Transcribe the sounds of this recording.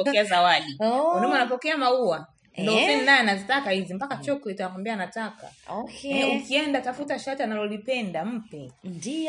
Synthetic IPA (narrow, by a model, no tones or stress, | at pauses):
ɔkɛazawaɗiwunɔmanap̬ɔkɛamaua | ndɔzininaɛnazitakahizimpakat͡ʃɔklɛtanakwambiaːnataka̰ɔkɲɛukiɛndatafutaʃatianalɔlipɛndam̩pɛdi